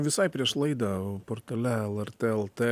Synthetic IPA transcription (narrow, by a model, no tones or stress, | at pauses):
ʋʲɪsɐɪpʲɾʲiɛʃlˠɐɪd̪ɐpoɾt̪ɐlʲɛɛlˠɛɾʲt̪ʲeːɛlˠt̪eː